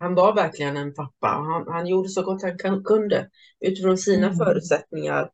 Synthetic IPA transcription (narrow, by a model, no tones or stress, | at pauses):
hanvaɾvæɾklɪɡənɛnpʰapːa̰ɔ̰ɦanhanjuːɖəsɔɡɔt̪ːhankʰkʰɵnd̪ə | ʔʉ̟ːt̪ɪfɾɔːnsiːnafœːɾʉ̟ːt̪sɛt̪nɪŋa̰ɾ